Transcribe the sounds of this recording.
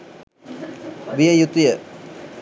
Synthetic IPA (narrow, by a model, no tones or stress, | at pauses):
ʋijəjut̪ijə